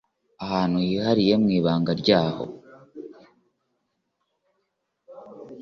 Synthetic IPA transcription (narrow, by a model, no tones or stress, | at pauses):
ahaːnujihaɾije̞mŋiːβaːŋɡaɾɟaːho̞̰